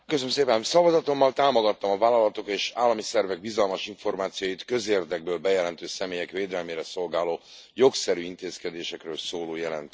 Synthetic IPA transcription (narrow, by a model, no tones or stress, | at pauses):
køs̬nmseːpɛnsɒvɒzɒt̪o̞mːɒlt̪aːmo̞ɡɒt̪ːɒmɒvaːlɒlɒt̪o̞keːʃaːlːɒmisɛrvɛɡ̚bizɒlmɒʃiɱfo̞rmaːt̪sijoːjit̪kø̞zeːrd̪ɛɡ̚bøːlbɛjɛlɛnt̪øːsɛmeːjɛkveːd̪ɛlmeːɾɛso̞lɡaːloː | jo̞ksɛɾyːint̪eːskɛd̪eːʃɛkrøːlsoːloːjɛlɛ̰nt̪